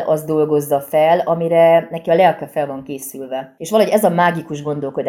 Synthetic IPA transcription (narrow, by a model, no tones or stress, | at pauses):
ɒ̰zd̪o̞lɡo̞zːɒfɛlɒmiɾɛnɛkiɒlɛrkɛfɛlvɒŋkeːsylvɛeːʃʋɒlɒɦo̞ɟɛzɒmaːɡikuʒɡo̞nd̪o̞lko̞d̪a